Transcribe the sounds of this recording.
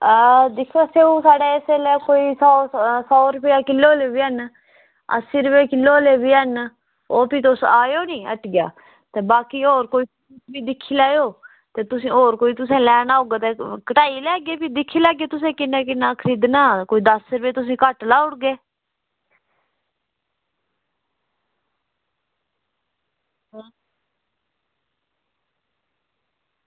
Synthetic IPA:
d̪ɪkʰːaːseːũːsaːɖeːeseleːkoːiːsɔːsɔːɾʊpejaːkɪlːoːleːbiːən | ə̰siːɾəpeːkɪlːoːleːbiːən | oːpiːt̪osaːjoːnĩːə̰ʈɡɪja̰ː | t̪eːbaːkiːoːɾkoːiːpː | tbiːd̪ɪkʰːiːlaːjoː | t̪eːt̪ʊsĩːoːɾkoːiːt̪ʊs̬ẽːlɛːnaːɦoːɡaːt̪eːkəʈaːiːlɛːɡeːpʰiːd̪ɪkʰːiːlɛːɡeːt̪ʊsẽːkɪnːẽːk̬ɪnːaːkʰəɾɪd̪naːkoːiːd̪əsəɾʋeːt̪ʊs̬ĩːkəʈlaːʊɽɡeː | ɦaː

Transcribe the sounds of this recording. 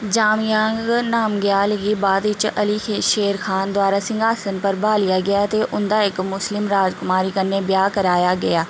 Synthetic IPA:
d͡ʒaːmjãːŋɡnaːmɡjaːlɡibaːd̪ʋɪt͡ʃəliːkʰeʃeːɾxʰaːnd̪waːɾaːsɪ̃ŋɡʱaːsənpəɾbaːlɪjaːɡɪjaːt̪eʔʊnd̪aːɪkmʊslɪmɾaːd͡ʒkʊmaːɾiːkənːebɪjaːkəɾaːjaːɡɐjaː

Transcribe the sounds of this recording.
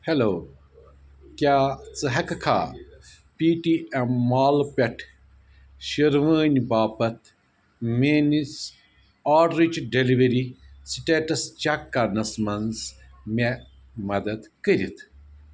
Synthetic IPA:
heloː | kʲjaːt͡sɨɦɐkɐkʰa̰ː | piːʈiɐmaːlpʲɐʈʰ | ʃɐɾʋəːnʲbaːpɐt̪ | menis | aːɖɾit͡ʃɖeliʋɐɾisiʈeːʈɐst͡ʃɐkːanɐsmɐnzme | mɐd̪ɐd̪kəɾʲit̪ʰ

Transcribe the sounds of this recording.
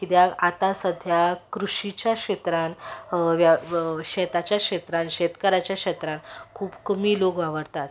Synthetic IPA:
kid̪jakat̪asəd̪ʱjakɾuɕit͡ɕjakɕet̪ɾanʋjaɕɛt̪at͡ɕjakʂet̪ɾãnɕet̪kəɾat͡ɕjakʂet̪ɾãnkʰuːbkəmiːlokʋaʋəɾt̪at̪

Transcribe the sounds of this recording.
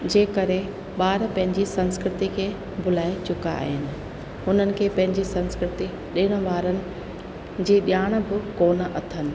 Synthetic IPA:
d͡ʑeːkɐɾe | ɓaːɾpɐ̃ɦɪ̃ɲd͡ʑisɐ̃nskɾɪt̪ikʰeː | bʱʊlaːit͡ɕʊka̰ːɦɪnɪ̆ | ɦʊn̤ənɪ̆kʰeːpɐ̃ɦɪ̃ɲd͡ʑisɐ̃nskɾɪt̪i | ɗiːɽ̃ʋaːɾənɪ̆ | d͡ʑiːɗijaːɽ̃̆bɪkoːnə̆ʔɐt̪ʰənɪ̆

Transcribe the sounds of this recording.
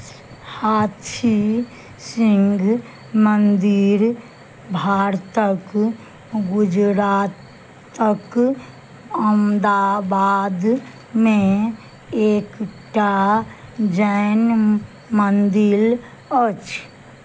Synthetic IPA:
haːt̪ʰi | siŋɡʱ | mənd̪iɾ | bʱaɾt̪ək | ɡʊd͡ʒɾaːt̪ː | ək | əmd̪abaːd̪ | mẽ | eːkʈa | d͡ʒɛn | mənd̪il | ət͡ʃʰ

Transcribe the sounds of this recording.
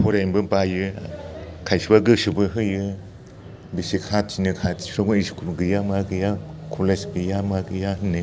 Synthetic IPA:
pʰuɾejmbɯpajɯ | kʰajsibaɡɯsubɯɦɯjɯ | bisikʰat̚t͡ʃinɯkʰatoɡuiskʰuɡɯjamaɡɯjakʰolesɡɯjamaɡɯjahɯnːɯ

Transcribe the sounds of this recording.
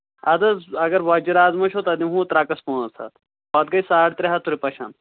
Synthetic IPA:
ɐd̪ɐzɐɡɐɾbaːd͡ʒiɾaːzmɐʃʰot̪ɐd̪imɦũːt̪ɾaːkɐspuːnɐɾsʰa̰ːt̪ | baːt̪̚ɡɐjsaːɽt̪ɾeɦɐt̪ʰuɾipɐʃa̰ːn

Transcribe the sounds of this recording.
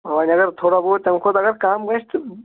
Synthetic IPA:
ɐʋaːnʲɐɡəɾt̪ʰoːɽaboːt̪ɐmkʰʊd̪ɐɡɐɾkaːmɡɐʃt̪

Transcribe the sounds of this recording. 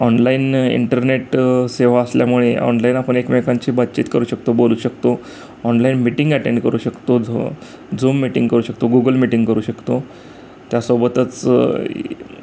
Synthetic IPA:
ɔnlainḭɳʈəɾneʈseʋ̤aəsljamuɭeʔɔ̰nlainapəɳ̃ekmekaɲt͡ɕiːbad̪t͡ɕiːt̪kəɾuːɕək̚t̪oboluːɕək̚t̪o | ɔnlainmiʈĩŋɡæʈeɳɖkəɾuːɕəkt̪o | d͡zumːiʈĩŋɡkəɾuːɕək̚t̪oɡuɡəlmiʈiŋɡkəɾuːɕəkt̪o | t̪jasobət̪ət͡s

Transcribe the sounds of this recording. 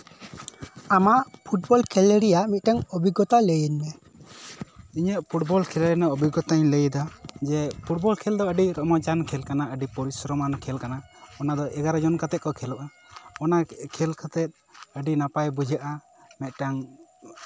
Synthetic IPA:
amaʔpʰuʈ̚bɔlkʰɛləɾijamɛt̪̚ˀʈaŋɔbʱiɡɔt̪aləjəɲmɛ | iɲəʔpʰuʈbɔlkʰɛləɾnaɔbʱiɡɔt̪aɲləjd̪ad͡ʒɛpʰuʈ̚bɔlkʰɛld̪ɔəɖiɾɔmɔd͡ʒankʰɛlkanaəɖipɔɾisɾɔmankʰɛlkanaɔnad̪ɔʔɛɡaɾad͡ʒɔnkat̪ɛt̪̚kɔkʰɛlɔʔa | ɔnakʰɛlkʰat̪ɛt̪̚ | əɖinapajbud͡ʒʱaʔa | mɛt̪̚ʈaŋ

